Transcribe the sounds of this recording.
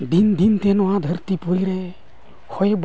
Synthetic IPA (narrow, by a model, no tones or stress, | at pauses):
d̪ind̪int̪ɛnɔwad̪ʱəɾt̪ipuɾiɾɛ | hʰɔjb